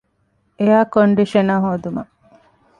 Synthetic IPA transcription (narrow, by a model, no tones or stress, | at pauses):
ejaːkoɳɖiʃɐnaːɦoːd̪umɐ̰